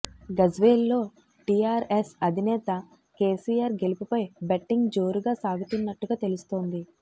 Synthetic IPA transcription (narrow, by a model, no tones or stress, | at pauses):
ɡɐd͡ʒʋeːlːo̞ː | ʈiːaːɾesɐd̪ʱinɛːt̪ɐ | keːsiːjaːɾɡe̞lupupɐjbɐʈːiŋɡd͡ʒo̞ːɾuɡaːsaːɡut̪unːɐʈːuɡaːt̪e̞lust̪o̞ːnd̪i